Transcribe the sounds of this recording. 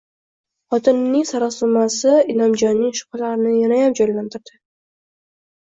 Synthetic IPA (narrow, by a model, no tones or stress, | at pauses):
χɒt̪ʰɪnːɪŋsaɾasʊmasɪɪlɒmd͡ʒɒnːɪŋʃʊ̥qʰlaɾɪnɪjanajamd͡ʒɒjlant̪ʰɪɾd̪̥ɪ